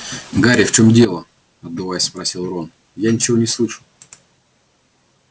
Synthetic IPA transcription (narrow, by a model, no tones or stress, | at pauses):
ɡaɾʲɪft͡ɕo̞mdʲe̞lˠə | ɐd̪d̪ɨvajɪsʲspɾɐsʲilˠron | janʲɪt͡ɕɪvonʲɪslˠɨʂɨ